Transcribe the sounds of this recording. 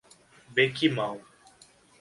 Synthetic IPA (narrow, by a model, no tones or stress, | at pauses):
bekimaw